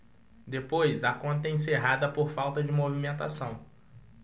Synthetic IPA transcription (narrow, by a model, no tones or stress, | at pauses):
d̪epojzɐkõnt̪ɐẽseɦad̪ɐpoɾfawt̪ɐd͡ʒɪmovimẽnt̪asɐ̃w̃